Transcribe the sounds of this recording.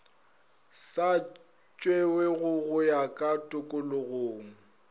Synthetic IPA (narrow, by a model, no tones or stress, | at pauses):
sa | t͡ʃʼweweɣʊɣʊjakʼatʼʊkʼʊlʊɣoːŋ̩